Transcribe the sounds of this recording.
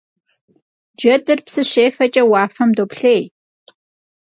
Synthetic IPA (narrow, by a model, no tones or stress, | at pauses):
d͡ʒɐdɨrpsɨɕeːfɐt͡ʃʼɐwaːfɐmdoːpɬeːj